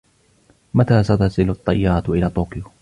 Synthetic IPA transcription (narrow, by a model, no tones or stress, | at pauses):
mat̪aːsat̪asɪlɑt̪ˤːɑjːɑɾˤɑt̪ʔɪlaːt̪ˤːoːkɪjʊ